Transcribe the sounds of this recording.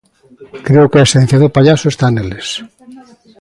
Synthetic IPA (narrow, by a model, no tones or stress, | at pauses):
kɾeokeaesẽn̟θjaðopaʎasʊest̪aneles